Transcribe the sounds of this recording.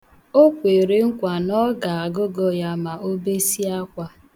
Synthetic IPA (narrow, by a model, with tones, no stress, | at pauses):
o˦kʷe˨ɾe˨ŋ̩˦kʷa˨nɔ˦ɡa˨a˨ɡʊ˦ɡɔ˦ja˦ma˨o˦be˦si˦a˦kʷa˦